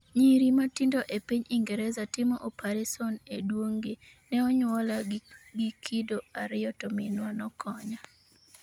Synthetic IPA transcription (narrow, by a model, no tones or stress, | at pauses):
ɲiɾimatindoʔepiɲiŋɡɛɾɛzatɪmɔʔopʰaɾesɔnedwoŋɡe | nɛɔɲwɔlaɡikʰidoaɾɪjɔtɔmɪnwanɔkʰɔɲa